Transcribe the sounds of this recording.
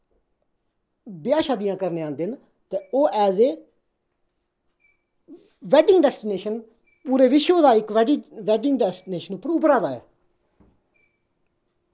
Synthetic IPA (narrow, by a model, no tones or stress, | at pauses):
bɪjãːʃaːd̪ijãːkəɾneãːnd̪ɪn | t̪eːoːʔɛːzeː | ʋɛːɖɪŋɡɖɛːsʈɪneːʃən | puːɾeːʋɪʃoːd̪aːɪkʋɖʋɛːɖɪŋɡɖɛːsʈɪneːʃənʊpːəɾʊpɾaːd̪aːɛ̰ː